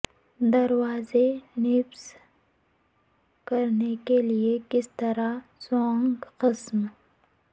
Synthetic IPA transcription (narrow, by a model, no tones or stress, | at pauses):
d̪ɐɾwaːzenɪfs | kɐɾnekeliekɪst̪ɐɾasõːŋɡqɪsm